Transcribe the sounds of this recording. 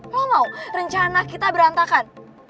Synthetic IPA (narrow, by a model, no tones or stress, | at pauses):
mamawrəɲt͡ʃanakit̪abəɾant̪akan